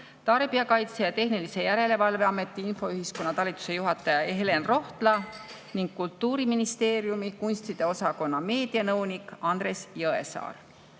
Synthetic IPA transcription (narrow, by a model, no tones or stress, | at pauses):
t̪ɑrb̥iɑkɑjt̪sejɑt̪e̞hnilise̞jæɾe̞le̞vɑlve̞ɑme̞t̪ːˑiinfo̞yɦisko̞nːɑt̪ɑlʲit̪ːˑu̥se̞juɦɑt̪ːˑɑjɑeɦele̞nro̞ht̪lɑ | niŋɡ̥̚kult̪ːˑuːɾiminist̪e̞ːɾjumikunʲst̪id̪̥e̞o̞sɑko̞nːɑme̞ːd̪̥iɑnɤwnikˑɑnd̪re̞sjɤe̞̰sɑ̰ːr